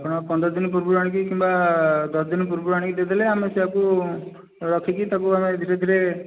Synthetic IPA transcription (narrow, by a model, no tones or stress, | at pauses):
apɔɽ̃ɔpɔnd̪ɾɔd͡ʒinp̬uɾbuɾaɽ̃ik̬ikimbad̪ɔsd͡ʒinp̬uɾbuɾaɽ̃ikid̪ed̪ʱileameseɦaku | ɾɔkʰikit̪akuamed̪ʱiʈed̪ʱiɾe